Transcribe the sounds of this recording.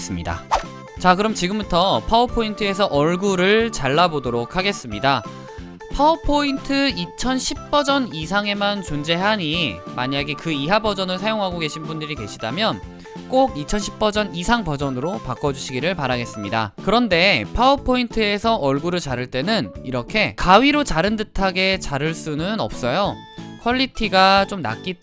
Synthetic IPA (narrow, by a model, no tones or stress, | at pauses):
s͈ɯmɲida̰ | t͡ɕakɯɾʌmt͡ɕiɡɯmbutʰʌpʰaupʰointʰɯe̞sʰʌʔʌɭɡuɾɯɭt͡ɕaɭːabodoɾokʰːaɡe̞s͈ɯmɲida | pʰaupʰointʰɯit͡ɕʰʌnɕʰip̚p͈ʌd͡ʑʌnisʰaŋe̞mant͡ɕond͡ʑe̞ɦaɲimaɲaɡe̞kɯiɦabʌd͡ʑʌnɯɭsʰajoŋɦaɡoɡe̞ɕʰinbundɯɾike̞ɕʰidamjʌn | k͈oɡit͡ɕʰʌnɕʰip̚p͈ʌd͡ʑʌnisʰaŋpʌd͡ʑʌnɯɾopak͈ʌd͡ʑuɕʰiɡiɾɯɭpaɾaɡe̞s͈ɯmɲida̰kɯɾʌnde̞pʰaupʰointʰɯe̞sʰʌʔʌɭɡuɾɯɭt͡ɕaɾɯɭt͈e̞nɯniɾʌkʰe̞kaɥiɾot͡ɕaɾɯndɯtʰaɡe̞t͡ɕaɾɯɭs͈unɯnʌ̰p̚s͈ʌjo | kʰʌʎːitʰiɡat͡ɕ͈omna̰k͈i